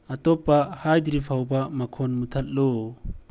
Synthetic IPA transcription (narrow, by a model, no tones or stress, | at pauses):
ɐt̪ɔpahajd̪iɾipʰawbɐmɐkʰonmut̪ʰɐt̚lo